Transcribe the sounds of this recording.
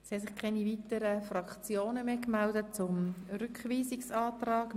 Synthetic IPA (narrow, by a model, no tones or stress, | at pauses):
shɛsɪχkʰɛnivit̪əɾəfrɑkt͡sjoːnəmeːkmældət̚t͡sʊmrʏkχʋiːsiksɑːt̪rɑːk